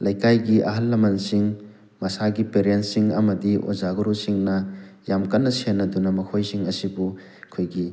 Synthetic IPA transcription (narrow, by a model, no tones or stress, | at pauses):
lɐjkajɡiʔɐ̰ɦɐlːɐmɐnsiŋ | mɐsaɡipeɾentsiŋɐmɐdiʔo̰zaɡoɾusiŋnɐjamkɐnːɐsenːɐdunɐmɐkʰojsiŋɐsibu | kʰojɡi